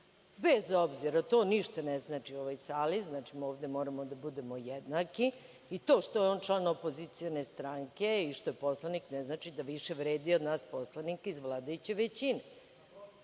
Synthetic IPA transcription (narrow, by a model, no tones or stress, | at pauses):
bezo̞bziɾat̪o̞ːniʃt̪anɛznaːt͡ʃiuoʋajsaːliznaːt͡ʃimo̞ːʋd̪emo̞ːɾamod̪abud̪e̞mo̞jɛd̪naki | it̪o̞ːʃt̪o̞jeo̞ːnt͡ʃlˠaːnopo̞zit̪sijo̞ne̞st̪ɾaŋke̞iʃt̪o̞jepo̞slˠaniknɛznaːt͡ʃid̪aʋiʃe̞ʋɾeːd̪iod̪naːspo̞slˠanikizʋlˠaːd̪ajut͡ɕe̞ʋet͡ɕine